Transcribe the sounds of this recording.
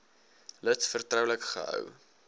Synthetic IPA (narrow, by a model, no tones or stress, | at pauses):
lətsfərtrəwləkχə̰ɦə̰w